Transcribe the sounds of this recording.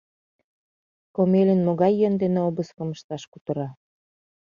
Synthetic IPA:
komelʲənmoɣɑjːənd̪eneobəskɤ̆məʃt̪ɑʃkut̪ə̆ɾɑ

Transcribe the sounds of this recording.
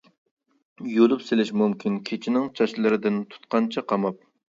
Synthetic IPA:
jolˠupselɪʃmumkʲinkʲʰet͡ʃʰinɪŋt͡ʃʰɑʃlˠɨɾɨd̪ɪnt̪ʰu̥t̪̚qɑnt͡ʃʰɑqʰɑmɑp̚

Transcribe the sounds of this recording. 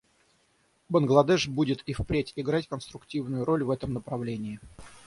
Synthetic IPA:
bənɡlˠɐd̪ɛʂbudʲɪt̪ifpɾʲetʲɪɡɾatʲkənst̪ɾʊktʲivnʊjʊɾo̞lʲvɛt̪əmnəpɾɐvlʲenʲɪː

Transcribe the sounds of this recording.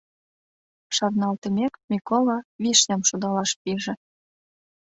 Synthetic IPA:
ʃɑrnɑlt̪ə̆mʲekmʲikolˠɑβiʃnʲɑmʃud̪ɑlɑʃpiʒĕ

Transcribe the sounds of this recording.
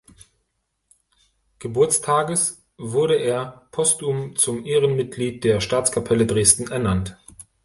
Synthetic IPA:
ɡ̥əbʊɐt͡stʰaːɡəs | v̥ʊɐɾəʔeːɐpʰɔstumt͡sʊmʔeːʁənmɪt̚ɡ̥liːt̚d̥eːɐʃtaːt͡skʰapʰɛlədʁeːstn̩ɛɐnant

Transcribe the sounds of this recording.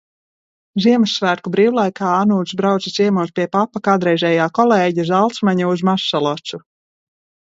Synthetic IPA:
ziɛmɨsːvæːɾkubɾiːwlˠajkaːanuːd̪sbɾawt̪it̪siɛmuɔspʲiɛpapakad̪ɾɛjʒʲɛːjaːkɔlˠɛːɟazalˠt̪smaɲuuzmaʃːɔlˠɔt̪su

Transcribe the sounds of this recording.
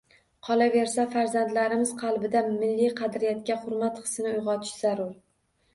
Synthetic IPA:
qʰɒlˠave̞ɾsafaɾzand̪laɾɪmɪz̥qʰɑlˠbɪd̪amɪlːijqʰɑd̪ɾɪjat̪̚kʲaχʊɾmat̪qʰɨ̥snɪʊjʁɒt̪ʰɪ̥ʃz̥aɾʊɾ

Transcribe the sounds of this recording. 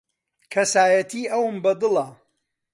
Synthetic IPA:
kʰɐsaːjɐt̪ʰiːʔɐwɨmbɐd̪ɨlˠɐ

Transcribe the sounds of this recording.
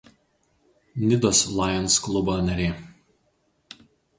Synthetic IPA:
nʲɪd̪ɔːslˠɑˑjɛnˑsklˠʊbonɐɾʲeː

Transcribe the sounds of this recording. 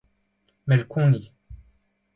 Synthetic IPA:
mɛlkʰũni

